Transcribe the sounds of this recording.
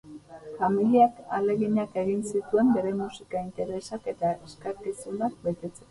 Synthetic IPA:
familiakale̞ɣiɲake̞ɣinsit̪ue̞mbe̞ɾe̞musikaint̪e̞ɾe̞sake̞t̪aeskaɾkisunak̚be̞t̪e̞t͡se

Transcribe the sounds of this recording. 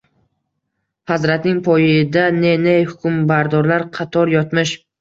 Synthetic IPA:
hazɾat̪nɪŋpʰɒjɪd̪anenejhʊkʲʰʊmbaɾd̪ɒɾlaɾqʰɑt̪ʰɒɾjɒt̪mɪʃ

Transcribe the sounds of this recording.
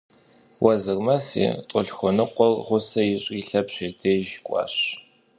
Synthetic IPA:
wɐzɨrmɐsḛːtʼʊɬxʷɔnɨqʷɔlʁʷʊsɐjɪɕʼiɬɐpɕeːdʰeːjʒkʷʼɑ̰ːɕ

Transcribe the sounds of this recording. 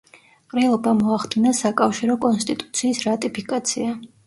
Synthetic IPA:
qʼɾɛlˠɔbamɔaχd̪inasakʼafʃiɾɔkʼɔnst̪ʼit̪ʼu̥t̪sʰiːsɾat̪ʼipʰikʼat̪sʰia

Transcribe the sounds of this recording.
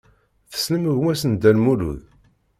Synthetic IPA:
θə̥sləməʝwæsənd̪ælmulṵð

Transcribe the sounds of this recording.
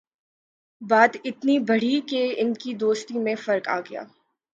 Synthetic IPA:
baːd̪ɪt̪nibɐɽ̤ikeɪnkid̪oːst̪imẽfɐɾka̰ːɡɐja̰ː

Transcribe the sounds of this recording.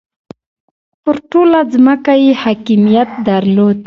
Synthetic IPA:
pəɾʈolazməkajehakimijat̪̚d̪aɾlod̪

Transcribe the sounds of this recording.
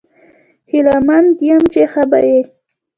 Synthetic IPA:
hɪlamanɡ̪jamt͡ʃexaba̰je

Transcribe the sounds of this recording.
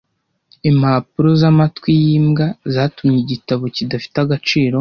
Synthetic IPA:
imhapuɾo̞zamatwijiːmɡazaːtumɲeɟitaβo̞cidafi̥taɡat͡ʃiːɾo̞

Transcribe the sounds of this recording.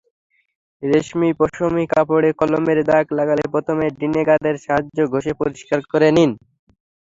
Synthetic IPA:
ɾeʃmipɔʃomikapoɽekɔlomeɾd̪aklaɡalepɾot̪ʰomeɖineɡad̪eɾʃaɦaːoɡʱoʃepoɾiʃkaɾkoɾenin

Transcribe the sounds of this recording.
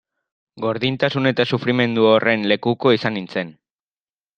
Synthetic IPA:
ɡo̞ɾðint̪asune̞t̪asufɾime̞nd̪uorʔe̞nle̞kuko̞isanint͡se̞n

